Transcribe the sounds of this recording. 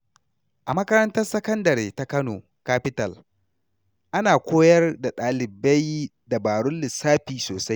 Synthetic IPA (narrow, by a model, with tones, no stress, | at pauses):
ʔa˨mɐ˦kɐ˦ɾɐ˦ntɐ˦rsɐ˦kɐ˦ndɐ˨ɾeː˨ta˦kɐ˦noː˨ | kaː˦ɸɪ˦tɐ˨l | ʔa˦naː˨kʷoː˦jɐ˦rda˨ɗaː˨lɪ˨ba˦j | da˨baː˨ɽʊ˦nlɪ˨saː˦ɸiː˨soː˨sa˦j